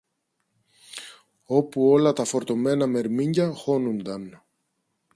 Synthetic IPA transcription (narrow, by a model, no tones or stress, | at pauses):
o̞puo̞lɐt̪ɐfo̞ɾt̪o̞me̞nɐme̞ɾmiɲɟɐxo̞nund̪ɐn